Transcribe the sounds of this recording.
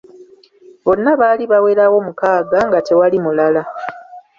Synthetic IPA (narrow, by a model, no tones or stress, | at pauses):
βo̞nːaβaːliβawe̞ːɾawo̞mukaːɡaŋɡate̞walimulala